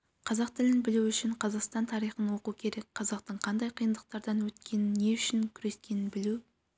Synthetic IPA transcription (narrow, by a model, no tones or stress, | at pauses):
qʰɑzɑq̚t̪ɪlɪnbɪluʏʃɪɴqʰɑzɑqst̪ɑnt̪ʰɑɾijχənwo̞qukʲʰe̞ɾe̞k̚ʲqʰɑzɑq̚t̪əɴqʰɑnd̪ɑjqʰijənd̪əq̚t̪ɑɾd̪ɑnwɵt̪kʲe̞nɪnːe̞ʏʃɪŋkʲʰʏɾe̞skʲe̞nɪnbɪlu